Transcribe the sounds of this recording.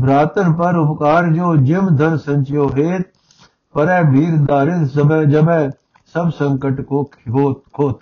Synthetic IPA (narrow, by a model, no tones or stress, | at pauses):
bʱɾaːt̪ənpɐɾʊpkaːɾd͡ʒoːd͡ʒɪmd̪ʱɐnsɐ̃ɲt͡ʃjoːɦeːt̪̚ | pɐɾɛ̃ːbʱiːɾd̪aːɾɪt̪sbd͡ʒɐbɛ̃ | sɐbsɐ̃ŋkəʈkoɦokʰoːt̪ʰ